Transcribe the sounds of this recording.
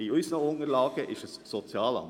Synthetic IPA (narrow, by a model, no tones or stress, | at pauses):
iysənəʊnəɾlɑːɡ̥əʔɪʃəssɔt͡sjɑːlɑ̰m